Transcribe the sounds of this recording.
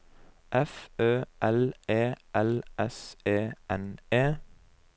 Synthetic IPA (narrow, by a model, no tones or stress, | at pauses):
ʔɛføːʔɛleːʔɛlʔɛseːʔɛneː